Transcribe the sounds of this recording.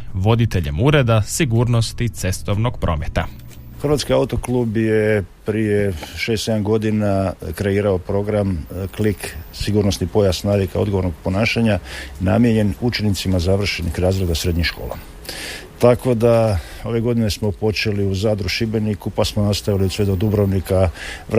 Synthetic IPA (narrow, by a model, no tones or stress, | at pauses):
ʋo̞d̪it̪eʎe̞̰muɾe̞d̪asiɡuːɾno̞st̪it̪se̞st̪o̞ʋno̞ɡ̥pɾʔo̞̰ːmet̪a̰ | xrʋat̪skiaut̪o̞klˠubjepɾijeʃe̞st̪se̞d̪amɡo̞d̪inakɾe̞iːɾao̞pɾo̞ɡɾamkliksiɡuːɾno̞snipo̞jasnalikao̞d̪ɡo̞ʋo̞ɾnoɡ̚po̞naːʃaɲana̰mjeɲe̞nut͡ʃe̞nit̪simazaʋr̩ʃenixɾaːzɾed̪asɾe̞d̪ɲiʃko̞ːla̰ | t̪ako̞d̪a | o̞ʋe̞ɡo̞d̪ine̞smo̞po̞t͡ʃe̞liuzaːd̪ɾuʃibe̞nikupasmonast̪aʋiliusʋed̪od̪ubɾoʋnika